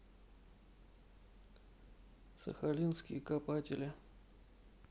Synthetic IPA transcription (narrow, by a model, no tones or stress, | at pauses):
sə̰xalʲinskʲɪ̰jəkapatʲɪlʲɪ